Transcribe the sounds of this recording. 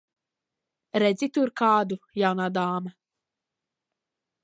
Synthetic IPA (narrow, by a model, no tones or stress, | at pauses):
ɾɛzit̪uɾkaːd̪ujawnad̪aːmɛ